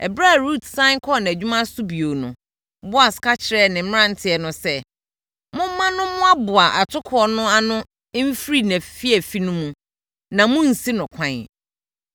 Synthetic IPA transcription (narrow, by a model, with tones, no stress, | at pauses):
ɛ̰˨bɾa˦˨ɾu˦˨tʰsã˦ŋkʰɔ˦n˨æ˨d͡ʑᶣu˦mã˦sʊ˦bi˨o˨nʊ̰̃˨ | bʊ˦a˨skʰa˦t͡ɕʰɪ˨ɾɛ˦˨nɪ̃˨m̩˦m̃˦ɾã˦n̩˨˦tʰɪ˦˨ɛ˨nʊ̃˨sɛ˦ | mʊ̃˦m˦mːã˦nʊ̃˦mʊ̃˦a˦bʊ˨a˨ʔa˨tʰʊ˦kʰʊ˦ɔ˦nʊ̃˦a˦nʊ̃˦ | m̩˦fɾi˦næ̃˨fi˦ɛ˨fi˦nʊ̃˦mũ˨ | nã˨mʊ̃˦n̩˨si˦nʊ̃˨kʷʰã˨n